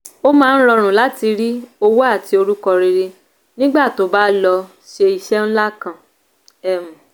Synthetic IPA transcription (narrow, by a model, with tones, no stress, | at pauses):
o˦mãː˦˧ñ̩˦ɾɔ˧ɾ̃ũ˨la˦ti˧ɾi˦o˧wo˦a˦˨ti˨˧o˧ɾu˦kɔ˧ɾe˧ɾe˧ | nĩ˦ɡ͡ba˦˨to˨˦ba˦lɔ˧ | ʃe˧i˨ʃɛ˦n̩˦la˦kã˨ | ɛ˨m̩˨